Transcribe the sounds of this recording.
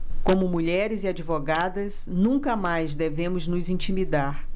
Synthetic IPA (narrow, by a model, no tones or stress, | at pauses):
kõmʊmuʎɛɾɪziad͡ʒivoɡad̪ɐz | nũŋkɐmajzd̪evẽmʊznʊzĩt͡ʃimid̪aɾ